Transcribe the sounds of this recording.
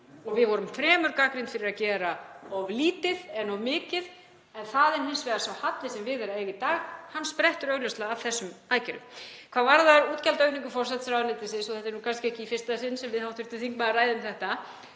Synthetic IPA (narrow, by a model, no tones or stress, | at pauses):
ɔɣvɪðvɔɾʏmfɾɛːmʏɾkakɾɪnt̪fɪɾɪɾaðcɛːɾaavliːt̪ɪðɛnavmɪːcɪð | ɛnθaðɛɾ̥hɪnsvɛːðasawhat̪lɪsɛmvɪðɛɾaejɣɪt̪aːɣhanːspɾɛht̪ʏɾœɣlœst̪aːvθɛsːʏmaːjcɛɾʏ̰mkʰvaːðvaɾðaɾuːt̪cɛlt̪œɥhniŋkʏfɔr̥sɛt̪sɾawnɪːt̪ɪsɪnsɔθɛht̪ɛɾnukʰanskcɪɛhcɪifɪ̥rst̪asɪnsɛmvɪðhawt̪vɪ̥ɾ̥t̪ɪθiŋkmaðaraːjðʏmθɛht̪a